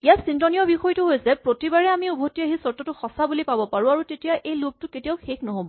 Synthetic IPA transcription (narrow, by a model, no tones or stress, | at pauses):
ijasintɔniɔbixɔjtuɦojsɛpɹotibaɹɛamiubʱotːiaɦisɔɹtɔtʊxɔsabulipabɔpaɹũaɹutetijaʔejlob̚tʊketijaʊxekʰnɔɦobɔ